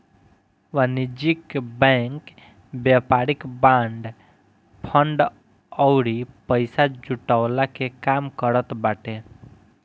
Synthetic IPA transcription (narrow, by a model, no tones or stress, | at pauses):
ʋanid͡ʒikbɛ̃ŋk | bjapaːɾɪkbãɳɖ | pʰəɳɖ | ɔwɾipəɪsad͡ʒuʈawlakekaːmkəɾət̪baːʈẽ